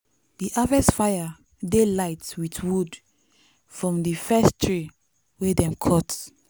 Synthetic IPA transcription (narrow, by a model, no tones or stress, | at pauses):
diʔavɛsfaja | delaɪtwitwud | fɹɔ̃mdifɛstʰɹi | wedɛ̃mkʰɔt